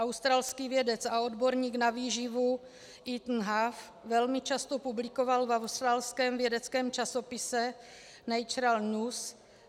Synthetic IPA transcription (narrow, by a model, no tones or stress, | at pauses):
ʔawst̪ɾaːlskiːvjɛdɛt͡saodboɾɲiːknaviːʒɪvu | ʔit̪n̩ɦaf | vɛlmɪt͡ʃast̪opublɪko̞valvawst̪ɾaːlskɛːmvjɛdɛt͡skɛːmt͡ʃaso̞pɪsɛ | nɛjt͡ʃɾalɲus